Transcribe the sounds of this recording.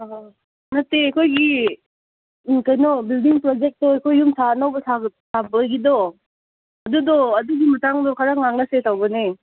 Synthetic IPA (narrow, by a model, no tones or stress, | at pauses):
ɦa | mɐtːeɐkʰojɡi | kɐjnɔbildiŋpɾɔd͡ʒek̚tɔɐkʰojːumsanawbɐsʰaɡsʰabɐɡidɔ | ɐdudɔɐduɡimɐtaŋdɔkʰaɾaŋaŋlɐsetawbɐne